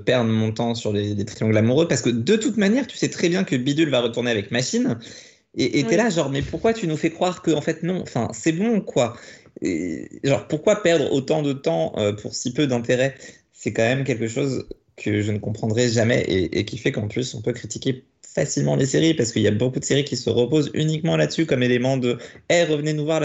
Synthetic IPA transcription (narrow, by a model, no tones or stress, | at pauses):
pɛʁd̪mɔ̃t̪ɑ̃syʁlelet̪χijɔ̃d̪əlamuʁøpaʁsə̥kəd̪ət̪ut̪manjɛʁt̪y̥sɛt̪χɛbjɛ̃kəbid̪ylvaʁət̪uʁneavɛkmaʃin | eʔeɛlaʒɑ̃ʁmɛpuʁkwat̪ynufɛkχwaʁkəɑ̃fɛt̪nɔ̃ɑ̰̃fɛ̰̃sɛbɔ̃kwa | ḛʒɑ̰̃ʁpuʁkwapɛʁd̪ʁo̰t̪ɑ̃d̪ət̪ɑ̃ø̰pʰuʁsipød̪ɛ̃t̪eʁɛ | sɛkɑ̃mɛmk̬ʲɛlkəʃoz | kʰəʒənəkɔ̃pχɑ̃d̪ʁɛʒamɛ̰ʔḛʔḛkʲifɛkɑ̃plysɔ̰̃pøkχit̪ikʲe | fasilmɑ̃leseʁipaʁsə̥kəiljabokud̪əseʁikʲisəʁəpozy̰nikmɑ̃lad̪əsykɔmelemɑ̃d̪ə | ɛʁəvənenuvwaʁla